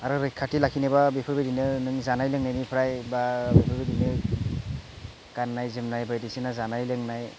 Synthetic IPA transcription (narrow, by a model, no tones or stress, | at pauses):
aɾɯɾɯkʰːatilakʰinebabepʰɯɾbedinɯnɯŋzanajlɯŋnajnipʰɯɾajbabepʰɯɾbedinɯ | kanːajzɯmnajbajdisinazanajlɯŋnaj